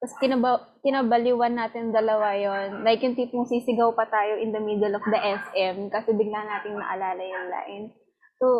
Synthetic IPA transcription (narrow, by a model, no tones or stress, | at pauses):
tɐskɪnɐbɐ | kɪnabɐliwɐnːaːt̪ɪnd̪ɐlɐwajonːɐʔɪkɪnt̪iːpʊŋsisɪɡɐwpɐt̪aːjoʔɪnd̪ɐmid̪ɛlɐk̚d̪ɐʔɛsʔɛmkɐsɛbɪɡlanaːt̪ɪŋnɐ̰ʔɐlaːlɐjʊŋla̰ːʔɪn | so